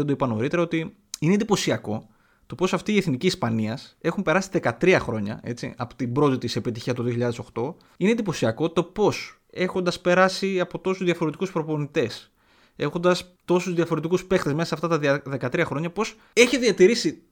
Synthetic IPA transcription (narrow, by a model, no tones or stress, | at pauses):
ed̪oipɐno̞̰ɾit̪eɾɐo̞t̪i | inend̪ipo̞siɐko̞ | t̪o̞po̞sɐft̪iːe̞θniciːspɐniɐse̞xumpe̞ɾɐsi̥ðe̞kɐt̪ɾiɐxɾo̞ɲɐ̰e̞̰t͡sḭɐ̰pot̪ibɾo̞t̪it̪ise̞pit̪içiɐst̪oðioçiʎɐðe̞soxt̪o̞ | inend̪ipo̞siɐko̞t̪o̞po̞s | e̞xo̞nd̪ɐspe̞ɾɐsiɐpo̞t̪o̞suzðiɐfo̞ɾet̪i̥kuspɾo̞po̞nit̪e̞s | e̞xo̞nd̪ɐst̪o̞suzðijɐfo̞ɾe̞t̪ikuspe̞xt̪e̞zmesɐsɐft̪ɐt̪ɐðe̞kɐt̪ɾiɐxɾo̞ɲɐpo̞s | e̞çiðiɐt̪iɾisi